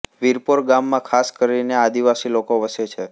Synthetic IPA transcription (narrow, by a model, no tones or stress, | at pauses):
ʋiɾpoɾɡamːãkʰaskəɾinead̪iʋasilokoʋəset͡ʃʰe